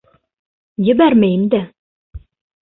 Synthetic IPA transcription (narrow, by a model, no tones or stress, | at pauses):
jɘ̆bæɾmæjɘmd̪æ